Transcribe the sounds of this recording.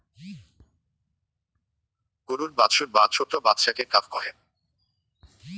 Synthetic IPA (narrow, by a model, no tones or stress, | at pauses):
kuɾuɾbat̪ʃoɾbat̪ʃʰot̪obat̪ːʃakekafkɔɦe